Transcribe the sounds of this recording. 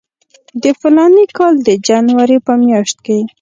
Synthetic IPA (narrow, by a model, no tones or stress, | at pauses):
d̪əfɪlɑnikɑld̪əd͡ʒanwaɾepəmjɑʃt̪̚ke